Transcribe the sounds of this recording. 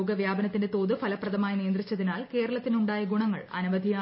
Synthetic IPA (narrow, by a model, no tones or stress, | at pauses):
ɡɐʋjaːbɐnɐt̪ːindet̪o̞ːðɨfʰɐlɐprɐðɐmaːjnijɐnd̪rit͡ɕːɐðinaːlke̞ːɾɐɭɐt̪ːinuɳɖaːjɐɡuɳɐŋːɐ̰ɭɐ̰nuʋɐd̪ʱijaː